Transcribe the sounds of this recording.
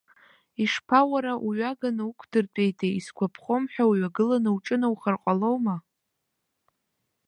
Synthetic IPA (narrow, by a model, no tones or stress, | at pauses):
iʂpʰawaɾaʔuɥaɡanɨukʷʰdɨrt͡pʼe̞jtʼeiskʷʰapʰχo̞mħᶣawuɥaɡɨlanɨwʈ͡ʂʼɨnawχərqʼalowma